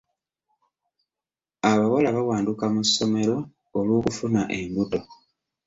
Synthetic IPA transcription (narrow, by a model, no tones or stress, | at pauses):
aβawalaβawaːndukamusːo̞me̞ɾo̞ | olwoːkufunaʔembuto̞